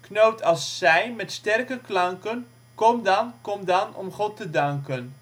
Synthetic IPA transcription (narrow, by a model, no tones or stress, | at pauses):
knowtʰɑlˠsːɛjmɛtstɛrkəklɑŋkən | kɔmdɑnkɔmdɑnɔ̰mχɔtədɑŋkən